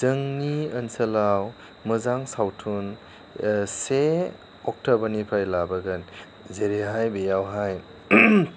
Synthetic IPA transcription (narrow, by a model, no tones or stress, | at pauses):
zɯŋniənsɐlaw | mɯzaŋsawtʰun | se | ɔk̚tʰɔbɐnipʰajlabɐɡɐn | zeɾeɦajbejawɦaj